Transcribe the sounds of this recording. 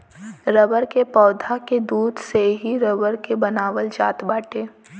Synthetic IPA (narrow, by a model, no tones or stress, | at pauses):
ɾəbəɾkepɔːd̪ʱaked̪uːd̪ʱseɦiɾəbəɾkebɐnaːʋəld͡ʒaːt̪baːʈeː